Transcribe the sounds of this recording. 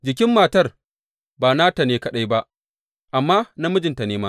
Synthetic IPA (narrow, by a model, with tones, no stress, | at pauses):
d͡ʒɪ˨k̬ʲɪ˦mːaː˨tɐ˦r | baː˨naː˦ta˨neː˦kɐ˦ɗa˦jba˦ʔ | ʔa˨mːaː˦na˦mʊ˦d͡ʒɪ˨nta˨neː˦maː˦